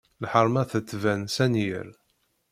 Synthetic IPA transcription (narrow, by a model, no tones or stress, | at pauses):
lħəɾˤmæθət͡sːvænsænjə̰ɾ